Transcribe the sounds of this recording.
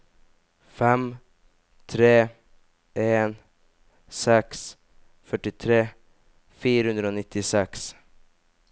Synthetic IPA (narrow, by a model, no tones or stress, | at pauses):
fɛm | t̪ʰɾeː | eːn | sɛks | fœʈːɪt̪ʰɾeː | fiːɾəhɵnd̪ɾəonɪt̪ʰːɪsɛks